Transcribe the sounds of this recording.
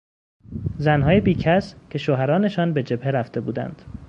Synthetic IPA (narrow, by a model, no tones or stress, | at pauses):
zænɦɒːjebiːcʰæscʰe̞ʃoːɦæɾɒːne̞ʃɒːnbe̞d͡ʒe̞bhe̞ɾæft̪e̞buːd̪æ̰nd̪̥